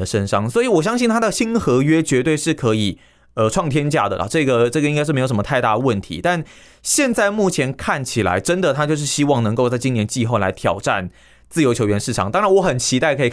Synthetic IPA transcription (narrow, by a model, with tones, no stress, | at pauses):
ə˩ʂə˥nʂɑ˥ŋswɔ˧˥i˧˩wɔ˨˩ɕ̬jɑ˥ŋɕi˥˩nt̪ʰa˥d̪ə˨ɕi˥nxɤ˧˥ɥɛ˥t͡ɕɥɛ˧˥t̪we˥˧ɪʂɻ̩˥˩kʰɤ˧˥i˨˩ | ə˨ʈ͡ʂʰwɑ˥˩ŋt̪ʰjɛ˥nt͡ɕja̰˥˩d̪ə̰˩lʔə̰˩ʈ͡ʂɤ˥˩ɡə˩ʈ͡ʂɤ˥˩ɡə˩ĩ˥ŋa˥ʂ̬ɻ̩˥˩˧jo˧˩ʂmə˧t̪ʰa˥˧ɪt̪a̰˥˩d̪ə˩wə˥˩nt̪ʰḭ˧˦t̪a˥˧n | ɕjɛ˥˧nt͡sa˥˧ɪmu˥˩t͡ɕʰjɛ˧˥nkʰa˥˩nt͡ɕʰi˨˩la̰˧˦ɪʈ͡ʂə˦˥nd̪ə˨t̪ʰa˥t͡ɕjo˥˧ʊʂ̬ɻ̩˥˩ɕi˦˥wɑ˥˩ŋnə˧˥ŋko˥˧ʊt͡sa˥˩ɪt͡ɕi˥njɛ˧˥nt͡ɕi˥˧xo˥˩ʊla̰˧˦ɪt̪ʰjɑ̰˨˩ʊʈ͡ʂa˥˧n | t͡sɹ̩˥˩jo˧˥ʊt͡ɕʰjo˧˥ʊɥɛ˧˥nʂɻ̩˥˩ʈ͡ʂʰɑ˨˩ŋt̪ɑ˥ŋɻa˧˦nwɔ˧˥xə˨˩nt͡ɕʰi˧˥t̪a˥˩ɪkʰɤ˧˥i˨˩